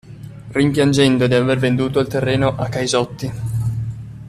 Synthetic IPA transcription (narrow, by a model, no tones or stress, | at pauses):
rimpjand͡ʒɛnd̪od̪iavervend̪uːt̪oilt̪erːeːnoʔakːajzɔt̪ːi